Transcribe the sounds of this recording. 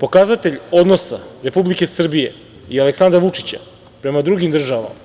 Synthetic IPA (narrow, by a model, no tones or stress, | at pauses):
po̞kazat̪e̞ʎo̞d̪no̞sa̰ɾe̞publike̞sr̩bije̞ | ialeksand̪ɾaʋut͡ʂit͡ɕa̰ | pɾe̞mad̪ɾuɡimd̪r̩ʒaʋa̰ma